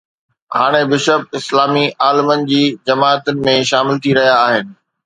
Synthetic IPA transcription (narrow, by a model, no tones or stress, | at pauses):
haːɽ̃ebɪʃəbɪslaːmiʔaːlɪmənɪ̆d͡ʑiːd͡ʑɐmaːət̪ʊnɪ̆mẽʃaːmɪlt̪ʰiɾɐɦijaːɦɪnɪ̆